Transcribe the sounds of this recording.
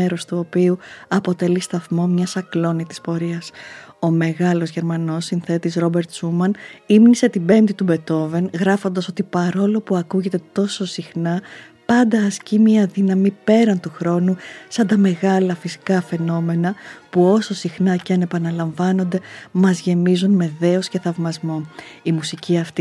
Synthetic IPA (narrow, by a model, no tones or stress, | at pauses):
eɾo̞st̪uo̞piuɐpo̞t̪e̞list̪ɐθmo̞mɲɐsɐklo̞nit̪i̥spo̞ɾiɐso̞me̞ɣɐlo̞zʝe̞ɾmɐno̞sːinθe̞t̪izɾo̞be̞ɾt̪sumɐnimnise̞t̪ibe̞nt̪it̪ube̞t̪o̞ve̞nɣɾɐfo̞nd̪ɐso̞t̪ipɐɾo̞lo̞puɐkuʝe̞t̪e̞t̪o̞so̞sixnɐ | pɐnd̪ɐːscimiɐðinɐmipe̞ɾɐnt̪uxɾo̞nusɐnd̪ɐme̞ɣɐlɐfisi̥kɐfe̞no̞me̞nɐpuo̞so̞sixnɐceɐne̞pɐnɐlɐɱvɐno̞nd̪e̞mɐzʝe̞mizunme̞ðe̞o̞sce̞θɐvmɐzmo̞imusiciɐft̪i